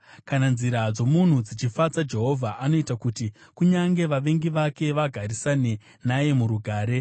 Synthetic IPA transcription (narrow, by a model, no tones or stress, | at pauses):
kananziɾad͡zo̞mun̤ud͡zit͡ʃifat͡sad͡ʒe̞ɦo̞vʱaʔano̞itakuti | kuɲaŋɡe̞ʋaʋe̞ŋɡiʋake̞ʋaɡʱarisane̞ | naje̞muɾuɡʱaːɾe̞